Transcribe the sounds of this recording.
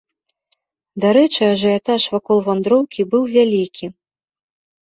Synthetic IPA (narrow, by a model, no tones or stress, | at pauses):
d̪aɾɛt͡ʂɨaʐɐjat̪aʂvakɔlˠvand̪ɾɔwkʲibɨwvʲalʲikʲi